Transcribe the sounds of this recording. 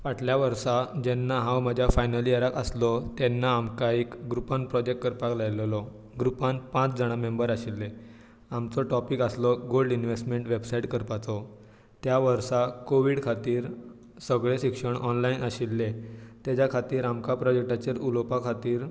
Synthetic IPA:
ʋaʈʰljaʋəɾsad͡ʑɛnːaɦãwməd͡ʑʱjafajnəliəɾakəslɔt̪ɛnːaːmkaekɡɾupanpɾɔd͡ʑek̚ʈ̚kəɾpaklajllɔ | ɡɾupanpãt͡sd͡zəɽ̃amembəɾaɕilːe | amt͡sɔʈɔpikəslɔɡolɖinʋesʈmeɳʈʋebsaiʈkəɾpat͡sɔ | t̪jaʋəɾsakoʋiːɽkʰat̪iːɾ | səɡɭeɕikʂəɳʔɔnlainaɕilːet̪at͡ɕakʰat̪iːɾamkapɾɔd͡ʑek̚ʈat͡ɕeɾulopakʰat̪iːɾ

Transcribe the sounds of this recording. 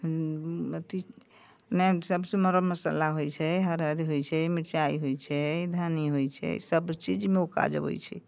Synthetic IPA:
t̪i | nɛsəbsə̃məɾəməsə̰laɦojt͡ʃʰɛɦəɾəd̪iɦojt͡ʃʰɛmiʈt͡ʃaḭɦojt͡ʃʰɛd̪ʱaniɦojt͡ʃʰɛ̰səbt͡ʃid͡ʒmeoka̰d͡ʒə̰bo̰jt͡ʃʰɛ̰

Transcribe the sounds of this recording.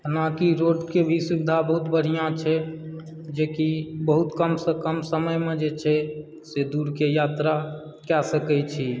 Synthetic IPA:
ənakiɾoɖkebʱisubd̪ʱabəɦut̪bəɽ̤ijãt͡ʃʰɛ | d͡ʒekibəɦut̪kəmsəkəmsəməjmed͡ʒet͡ʃʰɛ | sed̪uɽkejat̪ɾa | kɛsəkɛt͡ʃʰi

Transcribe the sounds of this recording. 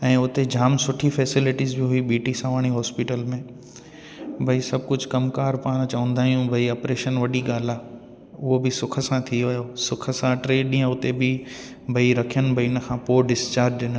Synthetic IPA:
ɛ̃ːʊt̪ed͡ʑaːmsʊʈʰifɛːsɪlɪʈizbɪɦuibiːʈisãʋaːɽ̃iɦɔːspiʈəlmẽ | bʱɐisɐb̚ʱkʊd͡ʑʱkɐmkaːɾpaːɽ̃t͡ɕɐʋə̃nd̪aːɦijũbʱɐiɐpɾeːʃənʋɐɗiɡaːl̤aː | ʊɦobɪsʊkʰə̆sãt̪ʰijoajosʊkʰə̆sãʈɾeːɗĩːə̃ʊt̪ebɪ | bʱɐiɾɐkʰijənbʱɐiɪnə̆kʰãːpoːɖɪst͡ɕaːɾd͡ʑɗɪn

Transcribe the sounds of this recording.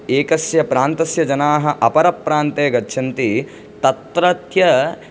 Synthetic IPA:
eːkɐsjɐpɾaːnt̪ɐsjɐd͡ʒɐnaːɦɐʔɐpɐɾɐpːɾaːnt̪eːɡɐtːʃʰɐnt̪i | t̪ɐt̪ɾɐt̪jɐ

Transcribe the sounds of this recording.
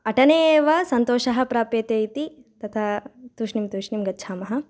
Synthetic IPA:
ɐʈɐneːʋɐsɐnt̪oːʃɐɦɐpɾaːpjeːt̪eːjit̪i | t̪ɐt̪ʰaːt̪uːʃnimt̪uːʃnimɡɐtːt͡ʃʰaːmɐɦɐ̆

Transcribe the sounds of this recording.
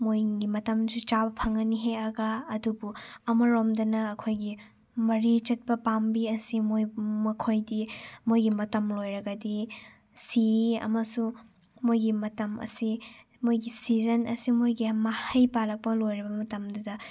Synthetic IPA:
mojɡimɐtɐmsut͡ʃabɐpʰɐŋɐniɦeɐɡɐːdubuɐmɐɾomdɐnɐːkʰojɡi | mɐɾit͡ʃɐt̚pɐpambiɐsimojmɐkʰojdimojɡimɐtɐmlojɾɐɡɐdi | siɐ̰mɐsu | mojɡimɐtɐmɐ̰si | mojɡisizɐnɐ̰simojɡimahɐjpalɐk̚pɐlojɾibɐmɐtɐmdudɐ

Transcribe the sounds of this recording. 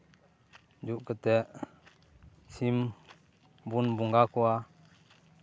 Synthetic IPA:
d͡ʒuʔkət̪ɛʔ | sʰim | bunbuŋɡakua

